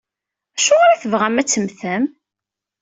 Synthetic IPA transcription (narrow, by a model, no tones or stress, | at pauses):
æʃoʁaɾaθəvʁæmæt͡sːəmθəm